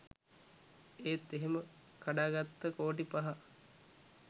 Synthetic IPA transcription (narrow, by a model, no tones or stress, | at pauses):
eːt̪ːeɦemə | kaɖaːɡat̪ːəkoːʈ̬ipɐɦa